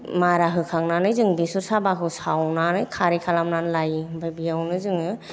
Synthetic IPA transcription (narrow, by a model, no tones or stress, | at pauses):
maɾaɦɯkʰaŋnanɯjzɯŋbisuɾsabakʰɯsawnanɯjkʰaɾikʰalamnanlajbajbijawnɯzɯŋɯ